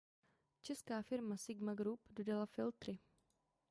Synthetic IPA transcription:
t͡ʃɛskaːfɪɾmasɪɡmaɡɾupdo̞dalafɪlt̪ɾɪ

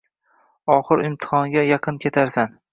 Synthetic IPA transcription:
ɒχɨɾɪmt̪ʰɪ̥χɒŋɡʲajɑqʰɨnkʲʰe̞t̪ʰaɾsan

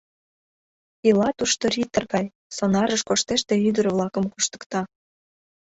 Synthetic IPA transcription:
ilɑt̪uʃt̪oɾit̪ərɣɑj | sonɑɾəʃkoʃt̪eʃt̪e̽yd̪ərβlɑkəmkuʃt̪ə̥kt̪ɑ

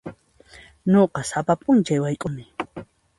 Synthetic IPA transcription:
ɲoqɑsapapʼʊnt͡ʃajwajkʼʊmɪ

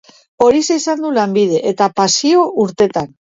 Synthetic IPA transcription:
o̞ɾiseisand̪ulambið̞e̞ʔet̪apasio̞ʔuɾt̪e̞t̪an

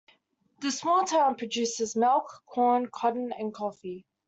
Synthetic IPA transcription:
ðəsmɔːlˠtʰãʊ̃npʰɹ̥əd͡ʒʉˑsɪzmɪlˠkʰːɔːnkʰɒdn̩ə̃nkʰɒfi

